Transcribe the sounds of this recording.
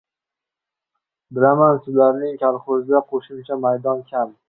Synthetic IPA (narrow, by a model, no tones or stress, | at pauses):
bɪlamansʊlaɾnɪŋkʰʲalˠχozɪd̪aqʰoʃɪmt͡ʃʰamajd̪ɒnkʲʰam